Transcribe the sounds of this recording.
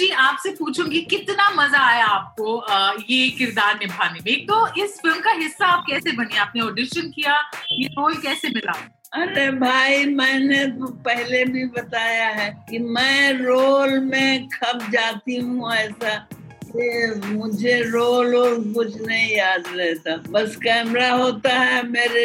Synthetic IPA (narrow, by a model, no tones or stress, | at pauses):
d͡ʒiːaːpsepuːt͡ʃʰũɡikɪt̪namɐzaaːɦjaaːp̚koəjekɪɾd̪aːɾnɪbʱaːnemẽːk̚t̪oɪsfɪlmkaɦɪsːaːp̚kɛːsebɐnieaːp̚neoːɖɪʃənkijajeɾoːlkɛːsemɪla̰ː | ɐɾebʱaːimɛ̃ːnet̪opɛɦlebʱibɐt̪aːjaɦɛkimɛ̃ːɾoːlmẽkʰɐbd͡ʒaːt̪iɦũɛːsa | kemʊd͡ʒʱeɾoːloːlkʊt͡ʃʰnɐɦĩjaːd̪ɾɛɦt̪abɐskɛːmɾaɦoːt̪aɦɛmeːɾe